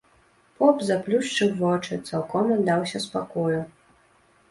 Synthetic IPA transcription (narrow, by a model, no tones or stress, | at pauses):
pɔpzaplʲuʂt͡ʂɨwvɔt͡ʂɨt̪salˠkɔmɐd̪awsʲɐspakɔju